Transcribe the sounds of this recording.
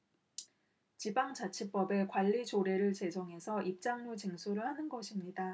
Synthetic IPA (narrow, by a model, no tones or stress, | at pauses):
t͡ɕibaŋd͡ʑat͡ɕʰip͈ʌbe̞kwaʎːid͡ʑoɾe̞ɾɯɭt͡ɕe̞d͡ʑʌŋɦe̞sʰʌʔip̚t͡ɕ͈aŋɲut͡ɕiŋsʰuɾɯɭhanɯnɡʌɕʰimɲida